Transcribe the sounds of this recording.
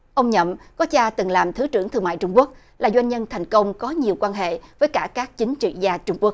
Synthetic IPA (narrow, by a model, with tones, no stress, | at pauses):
ʔə˧wŋ͡mɲə̰˧˨mkɔ˨˦t͡ɕaː˧t̪ɨ˨˩ŋlaː˨˩mt̪ʰɨ˨˦t͡ɕɨ˧˩əŋt̪ʰɨ˧əŋma̰ː˧˨jt͡ɕʊ˧ŋ͡mku˦˥ək̚ | laː˨˩zwa˧jŋ̟ɲə˧nt̪ʰa˨˩jŋ̟kə˧wŋ͡mkɔ˨˦ɲi˨˩əwkwaː˧nɦḛ˧˨vəː˨˦jkaː˧˩kaː˦˥k̚t͡ɕï˨˦ŋ̟t͡ɕḭ˧˨zaː˧t͡ɕʊ˧ŋ͡mku˦˥ək̚